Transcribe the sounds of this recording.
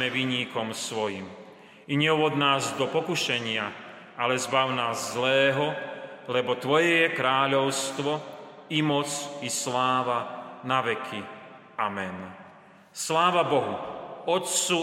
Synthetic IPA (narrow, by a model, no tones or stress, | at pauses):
mɛʋiɲiːkɔmsʋɔjḭm | iɲɛuʋɔd̪naːzd̪ɔpɔkuʃɛɲɪa | alɛzbawnaːzːlɛːɦɔlɛbɔt̪ʋɔjɛjɛkɾaːʎɔʊst̪ʋɔimɔt͡sislaːʋanaʋɛkʰi | amɛn | slaːʋabɔɦuɔt̪t͡su